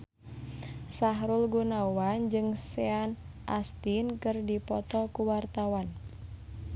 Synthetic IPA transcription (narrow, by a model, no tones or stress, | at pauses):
saɦɾulɡunawand͡ʒɨŋsɛan | ʔast̪inkɨrdipɔt̪ɔkuwart̪awan